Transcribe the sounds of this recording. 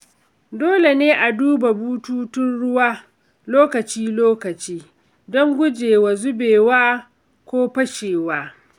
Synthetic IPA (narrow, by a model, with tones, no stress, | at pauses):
doː˦le˨neː˦ʔa˨duː˦ba˨buː˦tuː˦tʊ˦nɽʊ˦waː˦ | loː˦kɐ˨t͡ʃiː˦loː˦kɐ˨t͡ʃiː˦ | dɔ˦ŋɡʷʊ˦d͡ʒeː˨wa˨zʊ˦beː˨waː˦ | kʷoː˦ɸɐ˦ʃeː˨waː˦